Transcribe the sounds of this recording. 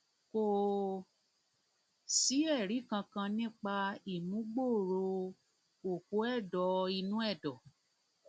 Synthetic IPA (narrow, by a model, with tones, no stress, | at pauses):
ko˦˨ | si˨˦ɛ˦˨ɾi˨˦kã˧kã˧nĩ˦k͡pa˧i˨mũ˨˦ɡ͡bo˦˨ɾo˧ | o˨ko˨˦ɛ˦˨dɔ˨˧i˧nũ˦ɛ˦˨dɔ˨